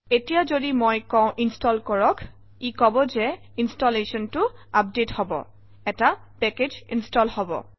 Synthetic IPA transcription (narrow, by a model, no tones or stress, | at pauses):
etijazodimojkɔ̃ʊ̃ʔinstɔlkɔɹɔk | ikɔbɔzɛ | instɔlesɔntʊap̚dethɔbɔ̰ | ɛta | pɛked͡ʒinstɔlhɔbɔ̰